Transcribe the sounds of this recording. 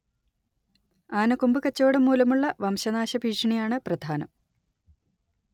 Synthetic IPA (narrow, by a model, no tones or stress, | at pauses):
aːnɐkumbɨkɐt͡ɕːo̞ːɽemːuːlɐmuɭːɐʋɐmɕɐnaːɕɐbʱiːʂɐɳijaːɳɨprɐd̪ʱaːnɐ̰m